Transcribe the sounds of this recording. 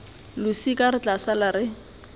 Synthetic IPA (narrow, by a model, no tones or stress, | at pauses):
lʊsikʼaɾɪt͡ɬʼasalaɾɪ